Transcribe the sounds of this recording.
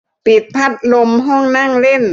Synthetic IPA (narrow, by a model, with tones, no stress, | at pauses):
pi˨˩t̪̚pʰa˦˥t̪̚lo˧mɦɔː˥˩ŋna˥˩ŋle˥˩n